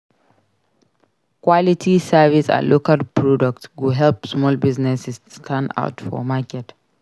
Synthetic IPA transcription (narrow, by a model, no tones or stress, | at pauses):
kwalitʰisavisa̰lʔokalpʰɹɔdak̚tɡuɦɛlpsmɔlbiznɛsɛsstʰãnda̰ʊtfɔ̰makɛt